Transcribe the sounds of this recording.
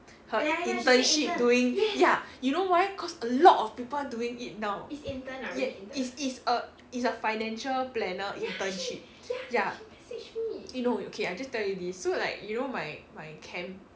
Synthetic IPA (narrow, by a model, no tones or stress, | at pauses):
həĩntə̃nʃip̚duĩŋjajunowajkʰɔsəlɔtɔfpipəlduĩŋit̚naʊinjɛisitsə | itsəfaɪnɛ̃nʃəlplɛnəʔĩntə̃nʃip̚ | ja | junoo̰kʰeaɪd͡ʒastɛljudisːola̰ɪkjunomajmajkʰɛ̃m